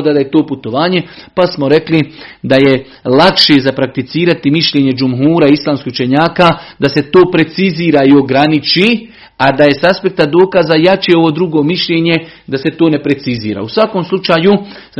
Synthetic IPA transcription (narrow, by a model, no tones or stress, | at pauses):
d̪ad̪ajet̪o̞ːput̪o̞ʋaːɲe̞pasmo̞ɾe̞klid̪aje̞ | lakʃezapɾak̚t̪it̪siːɾat̪imiʃʎeɲe̞d͡ʒumɦuːɾaislˠaːmskiut͡ʃe̞ɲaːkaːd̪ase̞t̪o̞ːpɾe̞t̪siziːɾaio̞ɡɾanit͡ʃi | ad̪aje̞saspe̞k̚t̪ad̪o̞ːkazajat͡ʃeo̞ʋoːd̪ɾuɡo̞ːmiʃʎe̞ːɲe̞ | d̪ase̞t̪o̞ːne̞pɾe̞t̪sizḭːɾa̰usʋakomslˠut͡ʃaːju